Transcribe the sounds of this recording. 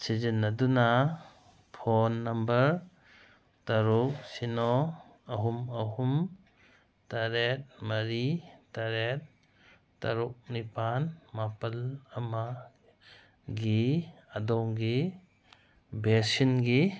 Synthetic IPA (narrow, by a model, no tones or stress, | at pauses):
sid͡ʒinːɐduna | pʰonːɐmbɐɾ | tɐɾuk̚sinɔ | ɐɦumɐɦum | tɐɾet̚mɐɾitaɾet̚ | tɐɾuk̚nipanmapɐlɐma | ɡiɐdɔŋɡi | besinɡi